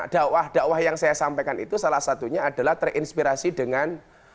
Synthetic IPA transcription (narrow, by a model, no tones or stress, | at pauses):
d̥aʔwahd̥aʔwahjaŋsajasampekanḭt̪usalahsat̪uɲaːda̤laht̪ərʔinspiɾasidəŋan